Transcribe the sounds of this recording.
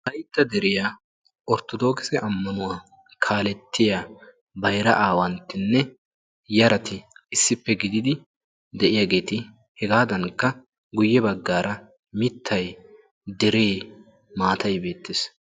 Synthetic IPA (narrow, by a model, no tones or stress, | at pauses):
t̪ɐjt̪ːɐd̪ɛɾɪja | ʔɔɾt̪ɔd̪o̞ːkɪ̥sɛʔɐmːɐnʊwaː | kʰaːlɛt̪ːɪjaː | bɐjɾɐ̰ʔaːwɐnt̪ːɪnːɛ | jɐɾɐt̪ɪːsːɪpːɛɡɪd̪ɪd̪ɪ | d̪ɛʔɪjaːɡe̞ːt̪ɪ | hɛɡaːd̪ɐnkːɐ | ɡʊjːɛbɐɡːaːɾɐ | mɪt̪ʰːɐj | d̪ɛɾeː | maːt̪ɐjbe̞ːt̪ːɪs